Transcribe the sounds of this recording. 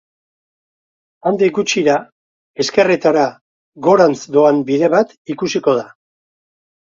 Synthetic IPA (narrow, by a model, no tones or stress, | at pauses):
and̪iɡut͡ʃiɾa | e̞ske̞rit̪aɾa | ɣo̞ɾant͡sd̪o̞ambiðe̞βat̪ikusiko̞ð̞a